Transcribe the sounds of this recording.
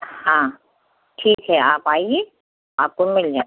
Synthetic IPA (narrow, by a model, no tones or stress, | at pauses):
hã | ʈʰiːkɦɛaːpaːie | aːp̚komɪld͡ʒaː